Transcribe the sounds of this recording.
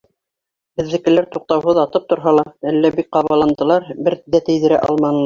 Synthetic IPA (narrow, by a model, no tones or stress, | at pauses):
bɘ̆ðːɘ̆kɘ̆læɾt̪uq̚t̪ɑwɦɤðɑt̪ɤp̚t̪ŏɾɦɑlˠɑælːæbik̚qɑβɑlˠɑnd̪ɤ̆lˠɑɾbɘɾd̪æt̪ɘ̆jðɘ̆ɾæ̰ʔɑ̰lˠmɑnɤ̆lˠ